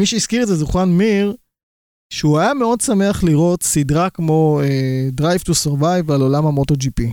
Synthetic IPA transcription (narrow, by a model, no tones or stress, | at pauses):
miʃeiskiʁetzɛzuχanmiʁ | ʃeuajameo̞dsameaχliʁo̞tsidʁakmo̞edʁajvtuseʁvajvalo̞lamamotod͡ʒipi